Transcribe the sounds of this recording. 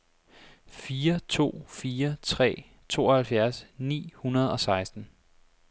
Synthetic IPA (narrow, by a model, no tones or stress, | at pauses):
fiːɐt͡sʰo̝̰ːfiːɐt͡sʰʁɛ̰ː | t͡sʰo̝̰ːɒhælfjæɐsnḭːhunɐð̞̩ˠɒ̽sɑ̈ɪsd̥n̩